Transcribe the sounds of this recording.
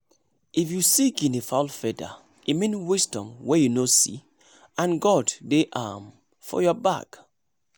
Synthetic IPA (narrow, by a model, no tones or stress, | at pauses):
ifjusiɡĩnifaʊlfɛda̰ | imĩnwisdɔ̃mwɛjunosḭ | ãnɡɔddeʔam | fɔ̰jɔba̰k